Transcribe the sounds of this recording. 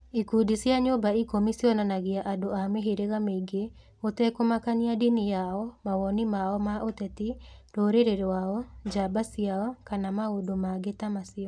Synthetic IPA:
ikudisjaɲobaikɔmisiɔnanaɣɪaʔadoameɦeɾeɣameiɡe | ot̪ɛkomakanɪadinijaɔmawɔnimaɔmaʔot̪ɛt̪iɾoɾeɾeɾewaɔd͡ʒabasiaɔkanamaodomaɡetamasɪɔ

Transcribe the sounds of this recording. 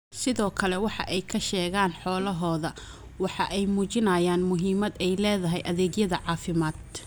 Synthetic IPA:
sɪðɔːkʰɐlɛwɑħɑ̰ʔɛjkʰɐʃɛːɣaːnħɔːlɐɦɔːðɐ | wɑħɑʔɛjmuːt͡ʃɪnaːjaːnmʊɦiːmɐd̪ɛjlɛːðɐɦɛjʔɐðɛːɡjɐðɐʕɑːfɪmaːd̪

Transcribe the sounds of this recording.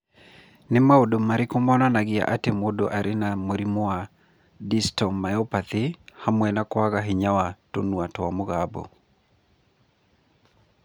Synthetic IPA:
nemaodomaɾekomɔːnanaɣea̰ʔatemodoʔaɾʔenamoɾimoa | distɔmajɔpaθehamwɛnakwaɣaɦeɲawato̰nuatowamoɣabɔ̰

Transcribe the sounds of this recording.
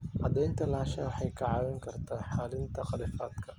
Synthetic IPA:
ʔɑ̰d̪ɛjnt̪ʰɐlaːʃɐwɑħɑjkʰɐʕɑːwɛŋkʰɐrt̪ʰaːħaːlɪnt̪ʰɐqɑlɪfaːd̪kʰɐ

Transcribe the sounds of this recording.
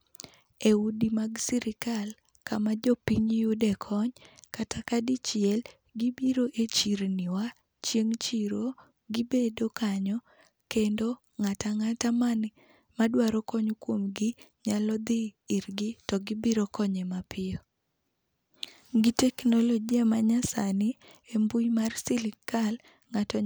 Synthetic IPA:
eudimaɡsiɾɪkal | kamad͡ʒɔpiɲjudɛkʰɔɲkatakadit͡ʃjɛl | ɡibiɾoʔet͡ʃiɾnɪwa | t͡ʃjeŋt͡ʃiɾo | ɡɪbedokaɲɔ | kendo | ŋataŋataman | madwaɾɔkɔɲokwomɡɪɲalɔd̪ɪːɾɡɪtɔɡɪbiɾokɔɲemapɪɔ | ɡɪtɛknɔloɡiamaɲasanɪ | embujmarsɪlɪkal | ŋatɔ

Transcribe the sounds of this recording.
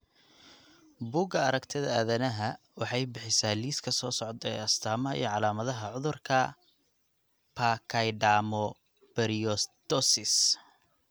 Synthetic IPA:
buːɡɐɐɾɐkt̪ʰɪðɐæːðɐnɐɦɐ | wɑħɑjbɪħɪsaːliːskʰɐsɔːsɔʕd̪ɛ̰ɐst̪ʰaːmɐɐḭjɔʕɑlaːmɐðɐɦɐʕʊðʊrkʰɐ | pʰakʰɐjɖaːmɔ | b̥ɛɾiɔst̪ɔsɪs

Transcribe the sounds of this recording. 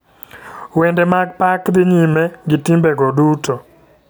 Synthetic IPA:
wɛndɛmaɡ̚pakd̪ɪɲimɛɡɪtimbɛɡɔdutɔ

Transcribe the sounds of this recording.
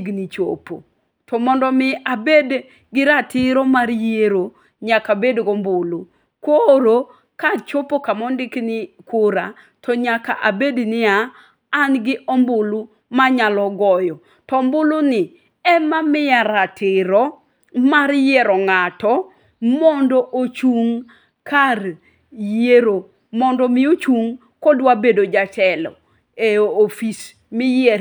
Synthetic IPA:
ɡnit͡ʃo̰po̰ | tɔmɔndɔmɪabed | ɡɪɾatɪɾɔmaɾjeɾo | ɲakabedɡɔmbʊlu | kwoɾo | kat͡ʃopokamɔndɪknɪkʊɾa | tɔɲaka̰ʔabednɪaː | nɡɪʔɔmbʊlu | maɲalɔɡɔjɔ | tɔmbʊlʊnɪ | ɛmamɪjaɾatʰɪɾɔ | maɾjeɾɔŋatɔ | mɔndɔʔot͡ʃuŋ | kar | jeɾo | mɔndɔmɪot͡ʃuŋ | kɔdwabedod͡ʒatɛlɔ̰ | eofis | mɪje

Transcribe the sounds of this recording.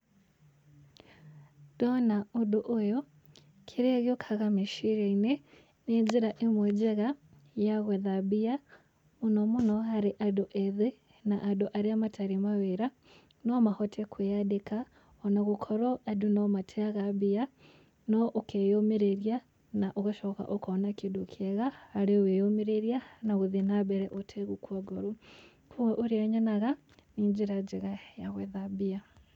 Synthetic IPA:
d̥onauduʔojo | kʰiɾeɣjokʰaɣamiʃiɾeine | neziɾaʔemwed͡ʒeɣa | jaɣweðabija | munomunoɦaɾiʔadoʔeðe | naʔːdoʔaɾiamatʰaɾimaweɾa | nomahotʰekwejadeka | ɔnaɣukʰɔɾɔʔadunɔmatʰeaɣabia | nɔʔokejomeɾeɾia | naʔoɣaʃɔka̰ʔokɔnakidokʰɛɣaːɾeowejomeɾeɾianaɣuðinabɛɾɛʔotʰeɣukwaɡoɾu | kʰuwɛʔoɾeaɲanaɣa | niɲd͡ʒiɾad͡ʒeɣajaɣwɛðabia

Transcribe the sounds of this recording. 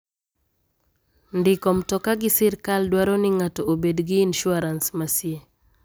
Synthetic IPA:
ndɪkɔmtɔkaɡɪsɪɾkaldwaɾɔnɪŋatɔobedɡiːnʃʊaɾansmasje

